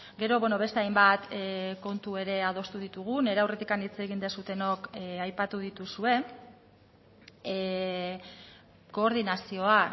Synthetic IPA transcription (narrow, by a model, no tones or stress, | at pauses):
ɡe̞ɾo̞βweno̞β̞e̞st̪eajmbat̪ko̞nt̪ue̞ɾe̞að̞o̞st̪uðit̪uɣ̞une̞ɾawre̞t̪ikanit͡se̞ɣ̞ind̪esut̪e̞no̞kajpat̪uð̞it̪usue̞ | ko̞ːɾðinasio̞a